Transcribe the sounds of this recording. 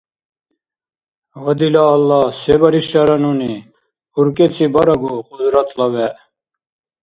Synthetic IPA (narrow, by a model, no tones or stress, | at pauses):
wɐd̪ilaːlːɑsebɐɾiʃɐɾɐnuni | uɾket͡sʰibɐɾɐɡuqud̪ɾɐt̪lɐʋɛ